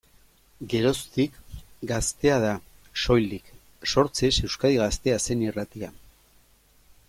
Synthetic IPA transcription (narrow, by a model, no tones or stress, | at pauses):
ɡe̞ɾo̞st̪ikɡast̪e̞að̞a | so̞jld̪ik | so̞ɾt͡sese̞wskaðiɣast̪e̞ase̞nirat̪ia